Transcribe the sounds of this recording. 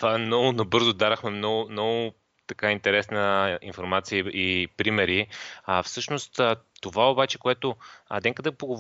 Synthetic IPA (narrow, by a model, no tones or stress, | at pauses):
t̪vaɛmnɔɡʊnɐbɤɾzod̪aɾəxmɛmnɔɡʊmnɔɡʊ | t̪ɐkaint̪ɛɾɛsnəinfoɾmat̪siəipɾimɛɾiafsɤʃnost̪ət̪ovaobat͡ʃɛkoɛt̪onɛkəd̪ɛpoɡov